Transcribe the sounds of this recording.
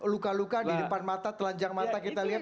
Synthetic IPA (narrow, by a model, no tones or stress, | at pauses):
lukalukadidəpanmat̪at̪əlaɲd͡ʒaŋmat̪akit̪aliɦa